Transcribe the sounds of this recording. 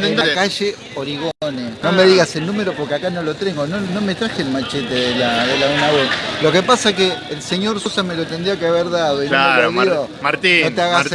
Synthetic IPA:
eakaʒe | oɾiɣoneno̞meðiɣaselnume̞ɾo̞poɾkeakano̞lo̞t̪ɾeŋɡonono̞me̞t̪ɾaxelmat͡ʃet̪eðelaðelaunawelo̞kepasakeːlseɲo̞ɾsosame̞lo̞t̪end̪ɾiakeaβeɾðaðoinlaoɾomjomaɾt̪inot̪eaɣas

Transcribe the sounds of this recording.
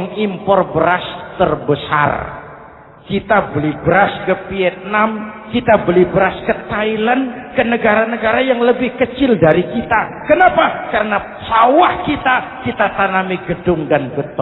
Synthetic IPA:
ŋimpɔrbəɾast̪ərbəsa̰r | kit̪abəlibəɾaskəfiɛt̪̚namkit̪abəlibəɾaskət̪ailankənəɡaɾanəɡaɾajaŋləbɪhkət͡ʃɪldaɾikit̪akənapakaɾəna | sawahkit̪akit̪at̪anamiɡədʊŋdanbət̪ɔ

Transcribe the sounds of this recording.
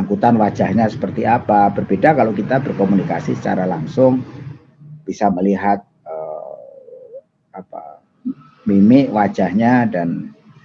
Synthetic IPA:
aŋkut̪anwḁd͡ʒ̥ahɲasə̥pərt̪iapab̥ərbedakalokit̪abərkomunika̰sisə̥t͡ʃa̰ɾalaŋsʊŋ | b̥isaməliɦat̪̚ə | apa̰ | mimɪʔwḁd͡ʒ̥ahɲadan

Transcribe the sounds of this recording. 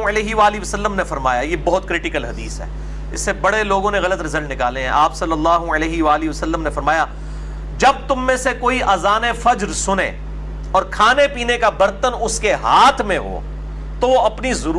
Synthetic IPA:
ɐleːɦiʋaːliʋəsəlːəmnefɐɾma̰ːjajeːbɔɦʊt̪kɾɪʈɪkəlɦɐd̪iːsɦɛ̰ː | ɪ̰sːebɐɽeloːɡõneɣɐlət̪ɾɐzəlnɪka̰ːlẽɦɛ̃ʔaːpsɐlːəlːaːɦuəleːɦiʋaːliʋəsəlːəmnefɐɾmaːjaː | d͡ʒɐb̚t̪ʊmːẽsekoːiʔaːzaːnefɐd͡ʒɾsʊnḛ̃ː | ɔːɾkʰaːnepiːnekabɐɾt̪ənʊskeɦaːt̪ʰmẽɦo̰ː | t̪oʋoɐpnizʊɾ

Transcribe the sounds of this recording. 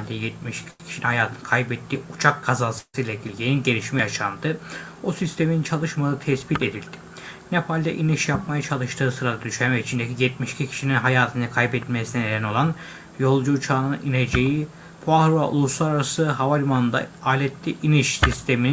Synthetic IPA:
lʲd̪ɛjɛt̪̚miʃcʰicʰi̥ʃininhajaːt̪ʰɯnɯkʰajbɛt̪ʰːiːut͡ʃʰak̚ːʰazasɯ̥sɯilʲɛɟilʲɟʲeninɟe̞ɾʲiʃmɛjaʃand̪ɯ | osist̪ʰe̞miint͡ʃʰalˠɯʃmalˠɯt̪ʰɛsbit̪ʰed̪ilʲd̪ɪ̥ | nepʰalʲd̪ɛ̰ʔiniʃjap̚majat͡ʃʰalˠɯʃt̪ʰɯːsɯɾad̪ad̪yʃɛmɛit͡ʃʰind̪ecijɛt̪̚miʃi̥cʰicʰi̥ʃininɦajaːt̪ʰɯnɯkʰajbɛt̪lmɛsinɛnelɛno̞lˠan | jo̞lˠd͡ʒuːt͡ʃʰaːnɯɯnʔined͡ʒeji | pʰahɾuva̰ʔṵlˠuslˠaɾaɾasɯɦavalʲmanɯnd̪a̰aːlʲɛt̪ːiʔiniʃsist̪ʰe̞minin

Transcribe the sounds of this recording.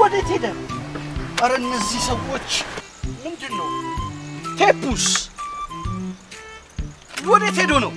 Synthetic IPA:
wɔd̪et̪ʰed̪ə | ʔʼəɾəɨnːəzːihsəwːo̞t͡ʃː | mɨnd̪ɨnːəw | t̪ʰepːus | wɔd̪et̪ed̪onəw

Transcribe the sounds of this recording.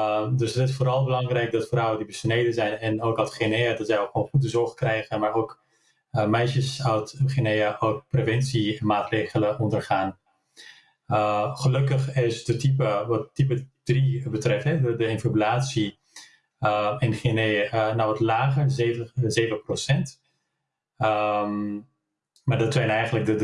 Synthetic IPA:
dɵsətɪsfoːɾɑlˠbəlɑŋrɛjk̚dɑtfrɔwəndibəsnejdənzɛjnɛnowkatχenejədɑtzɛjokχʋoːnχudəzɔɹχkrɛjχənmaːɹowk | mɛjʃəsawtχenejəʔowk̚prevɛnsiɛnmaːtrejχələɔndəɹχaːn | χəlɵkəχɪsdətipəʋɑt̚tip̬ədribətrɛftɦɛdədəɪnfabylaːtsi | əɪnχinejənɔwʋɔtlaːχəɹzevəzeːvəprosɛnt | əm | maːɹdɔtsɛjnɛjχənlək̚də

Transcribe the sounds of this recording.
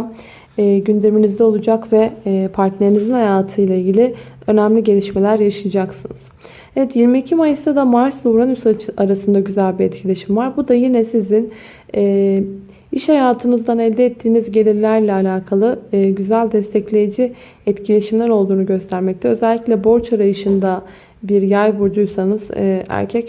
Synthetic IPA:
ɛːɟynd̪e̞minizd̪ɛo̞lˠud͡ʒakvɛpʰaɾt̪lʲeɾinizinhajaːt̪ʰɯjlˠailʲɟʲilʲi | ø̞næmlʲiɟe̞lʲiʃme̞lʲæɾjaʃɯjad͡ʒaksɯnɯz̥ | ɛvɛt̪jiɾmiːcʰimajɯst̪ad̪amaɾslˠuɾanysaaɾasɯnd̪aɟyzælʲbiɛt̪cʰilʲeʃimvaɾbud̪ajinɛsizin | ɛː | iʃhajaːt̪ʰɯnɯzd̪anɛlʲd̪ɛːt̪ʰːiːnizɟe̞lʲiɾlʲæɾlʲɛalʲaːkʰalˠɯːɟyzælʲd̪ɛst̪ʰɛclʲe̞jid͡ʒi | ɛt̪cʰilʲe̞ʃimlʲæɾo̞lˠd̪uːnuɟø̞st̪ʰæɾmɛc̚t̪ʰɛø̞zɛlʲːiclʲɛbo̞ɾt͡ʃaɾajɯʃɯnd̪a | biɾjajbuɾd͡ʒujsanɯzæ̰ɾcʰɛc

